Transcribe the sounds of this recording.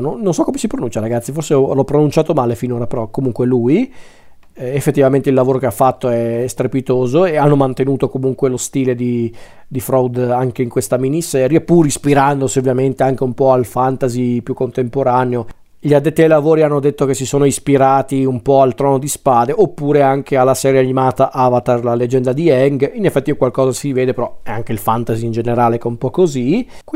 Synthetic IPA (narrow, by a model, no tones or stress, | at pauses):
nonːonsɔkːomesipɾonunt͡ʃaɾaɡat̪sːiforseɔlɔpːɾonunt͡ʃaːt̪omaːlefinoːɾapeɾɔkːomuŋkweluːj | efːet̪ːivament̪eilːavoːɾokeafːat̪ːoɛst̪ɾepit̪oːzoeanːomant̪enuːt̪okomuŋkwelost̪iːled̪i | d̪ifɾɔwd̪aŋk̟eiŋkwest̪aminisɛːɾjapuɾispiɾand̪osiovːjament̪eaŋk̟eumpɔalfant̪azipjukːont̪empoɾaneo | ʎiad̪ːet̪ːiajlavoːɾianːod̪et̪ːok̟esisoːnoispiɾaːt̪iumpɔalt̪ɾɔːnod̪ispaːd̪eʔopːuːɾeaŋkʰealːasɛːɾjeanimaːt̪aʔavat̪arlaled͡ʒɛnd̪ad̪iɛŋɡinefːɛt̪ːikwalkɔːzasiveːd̪epeɾɔɛaŋk̟eilfant̪aziːnd͡ʒeneɾaːlekɛumpɔkːozi | k